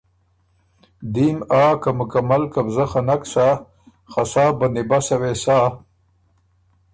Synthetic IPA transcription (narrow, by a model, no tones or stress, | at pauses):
d̪imaːkamʊkamalkabzaxanaksa | xasaːband̪ibasawesaː